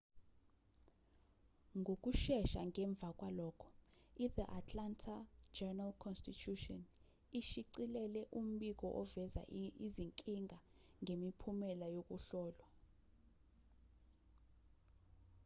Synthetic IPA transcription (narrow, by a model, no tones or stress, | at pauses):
ŋɡʱok̬ʼuʃɛʃa̰ŋɛɱb̪vʱak̬ʼwalɔːkʰɔ̥iðiʔatʼlantʰad͡ʒɛnalkʰɔnstitʰutɔn | iʃiǀilɛlɛʔum̩ɓik̬ɔ̰ʔɔvɛza̰iziŋkʼiŋʱaŋʱemipʰumɛlajok̬ʼuɬɔːlwa